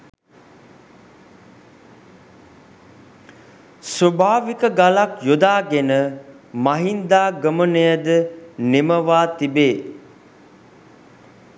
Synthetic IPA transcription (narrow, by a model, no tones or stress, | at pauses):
sobʱaːʋikəɡalakjod̪aːɡenə | maɦind̪aːɡəmənəjəd̪əneməʋaːt̪ibeː